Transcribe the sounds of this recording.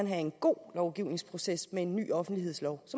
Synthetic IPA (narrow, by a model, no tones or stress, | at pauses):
ænɦæe̝nɡ̥o̝̰ːlɒʊɡ̥iʊne̝ŋspʰʁo̝sesmee̝nːy̰ːɒ̽fn̩d̥liɦe̝ð̰ˠslɒʊsɒ̽